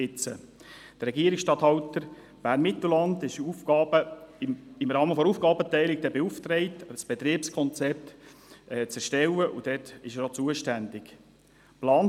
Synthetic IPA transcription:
ɪt͡sə̰ | d̥ərɛɡiəɾɪksʃtɑt̪hɑʊtəɾ | b̥æːɾnmɪt̪l̩lɑndɪʃufɡ̥ɑːbə | ɪmɾɑːməfɔɾuːfɡɑːbət̪ɛɪlɪk̚d̥̪ɛbeuft̪ɾɛɪtsb̥ɛt̪ɾiəpskʰɔnt͡sɛp̚t̪ː | t͡sɛɾʃtɛwəʔud̥ɛtɪʃəɾɔt͡suəʃtændɪk | plɑːn

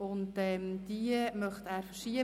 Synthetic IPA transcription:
ʊntɛmd̪̥imœχtæːɾfəɾʃiə

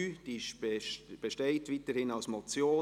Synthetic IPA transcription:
d̥iʃb̥eʃteɪtʋiːtəɾhɪnaʊsmɔt͡sjoː

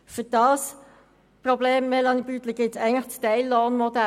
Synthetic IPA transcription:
fyd̥ɑːs | probleːmːelɑnibyt̪ləɡ̥ɪtsɛɪɡŋnət͡stɛɪlːoːnmodæ

